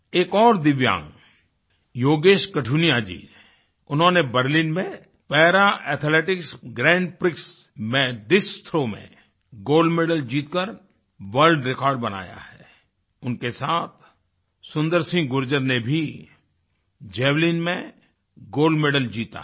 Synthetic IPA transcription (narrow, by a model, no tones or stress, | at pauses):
eːkɔːɾd̪ɪʋjã̰ːŋɡ | joːɡeːʃkɐʈʰuːnijad͡ʒḭː | ʊnɦõnebəɾlinmẽ | pɛːɾaʔɛːt̪ʰleːʈɪksɡɾɛ̃ːɳɖpɾɪks | mẽɖɪst̪ʰɾomḛ̃ | ɡoːlɖmeɖəld͡ʒiːt̪kəɾ | ʋəɾlɖɾɪkɔːɾɖ̚bɐna̰ːja̰hɛː | ʊnkesaːt̪ʰ | sʊ̃nd̪əɾsɪ̃ŋɡɡʊɾd͡ʒəɾnebʱi | d͡ʒɛːʋliːnmẽ | ɡoːlɖmeɖəld͡ʒiːt̪a̰